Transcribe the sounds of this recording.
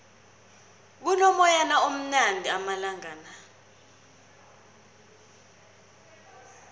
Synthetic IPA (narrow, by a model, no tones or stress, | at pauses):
k̬unɔmɔjanaom̩nandʱiamalaŋaːna